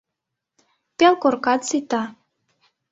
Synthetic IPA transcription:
pelkorkɑt̪t͡sit̪ɑ

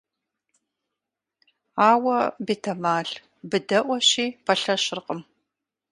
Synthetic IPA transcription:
aːwɐbetʰɐmaːɮ | bɨdɐʔʷɔɕiːpʰɐɬɐɕɪrqʼəm

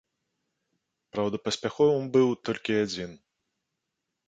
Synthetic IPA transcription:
pɾawd̪ɐpɐsʲpʲaxɔvɨmbɨwt̪ɔlʲkʲiad͡zʲin

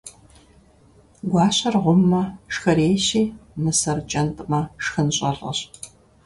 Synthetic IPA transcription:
ɡʷɑːɕɐrʁʷʊmːɐʂxɐɾeːʃiːmɨsɐrt͡ʃʼɐntʼmɐʂxɨnɕʼɐrɐ̰ɕ

